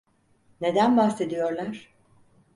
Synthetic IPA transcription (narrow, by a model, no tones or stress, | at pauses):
ne̞d̪ænbaxse̞d̪ijo̞ɾlˠaɾ̥